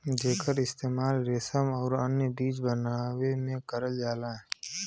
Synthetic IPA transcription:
d͡ʒeːkəɾɪst̪eːmaːlɾesəmɔːɾənjəbiːt͡ʃbənaːwemẽkəɾəld͡ʒaːlaɛ

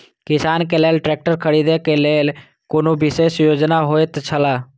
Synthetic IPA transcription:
kɪsaːnkeleːlʈɾɛk̚ʈəɾkʰəɽid̪ekeleːl | koːnobɪsesjoːd͡ʒnaɦoet̪t͡ʃʰəla

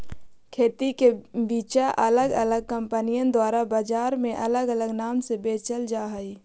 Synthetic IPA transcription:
kʰeːt̪ikebiːt͡ʃaʔələɡələɡ̚kə̃mpənijə̃nd̪waːɾabaːd͡ʒaːɾmẽʔɐləɡələɡnaːmsebeːt͡ʃəld͡ʒaːɦəiː

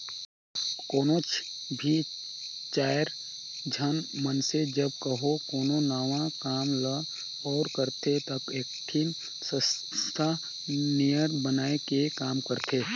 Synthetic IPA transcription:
koːnot͡ʃʰ | bʱi | t͡ʃaːəɾ | d͡ʒʱənmənsed͡ʒəbkəɦokoːnonəwãkaːmlə | ɔːɾkəɾt̪ʰet̪əkeːk̚ʈʰim | sə | t̪ʰa | nijəɾbənaːekekaːmkəɾt̪ʰeː

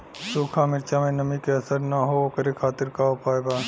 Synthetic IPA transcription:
suːkʰamɪɾt͡ʃamẽnəmikeɐsəɾnaɦookəɾekʰaːt̪ɪɾkaʊpaːjbaː

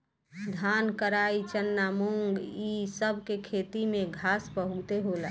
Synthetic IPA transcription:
d̪ʱankəɾait͡ʃənːamuŋɡisəbʱkekʰet̪imeɡʱaspəɦut̪eɦolɛ

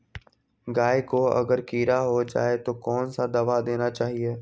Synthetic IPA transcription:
ɡaːekoɐ̰ɡəɾkiːɾaɦod͡ʒa̰ːet̪okɔːnsad̪ɐʋad̪eːnat͡ʃaːɦieː

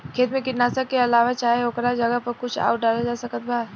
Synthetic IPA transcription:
kʰeːt̪mẽkɪʈnaːsəkːeɐlaːʋat͡ʃaːɦeoːkɾad͡ʒɐɡəpɐɾkʊt͡ʃʰa̰ːʊʈ̚ɖaːlad͡ʒaːsɐkət̪̚bʱaːɾ

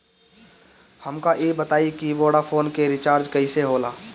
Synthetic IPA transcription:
həmkaʔeːbət̪aːikiboːɽafʰoːnkeɾɪt͡ʃaːɾd͡ʒkɐiseɦoːlaː

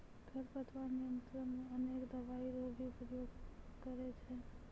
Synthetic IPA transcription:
ɡʱəɾpət̪ʰʋanijənt̪ɾəmeənekd̪əʋaiɾobʱipəɾjoːɡ | kəɾet͡ʃʰɛ

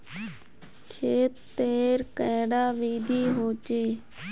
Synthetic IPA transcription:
kʰeːt̪ːeːɾkɛ̃ːɽaːʋiːd̪iːɦoːt͡ʃeː

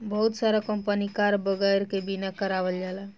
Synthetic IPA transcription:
bʌɦut̪saɾakəmpənikaɾbəɡəjɾkebinakəɾabəld͡ʒala

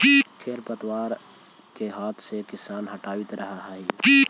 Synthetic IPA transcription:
kʰeːɾpɐt̪waːɾ | keɦaːt̪ʰsekɪsaːnɦɐʈaːwɪt̪ɾɐɦaɦaiː

